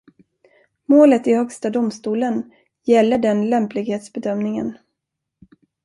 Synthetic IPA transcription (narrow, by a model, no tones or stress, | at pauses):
moːlət̪ɪhœkst̪ad̪ʊmst̪uːlən | jɛlːəɖɛnlɛmplɪɡheːt̪sbɛd̪œmnɪŋə̰n